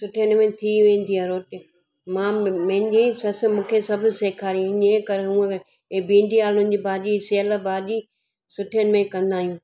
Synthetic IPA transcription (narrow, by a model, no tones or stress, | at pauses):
sʊʈʰijənɪmẽt̪ʰiʋẽːn̆d̪iaɾoːʈɪ | mãːmɐ̃ɦɪ̃ɲd͡ʑisɐs̆mũːkʰesɐbʱʊ̆seːkʰaːɾiĩɪɲẽkɐɾeɦũːẽ | bĩːɳɖiaːlʊ̃nɪ̆d͡ʑibaːʄiseəlabaːʄi | sʊʈʰiənɪmẽkɐ̃nd̪aːɦijũː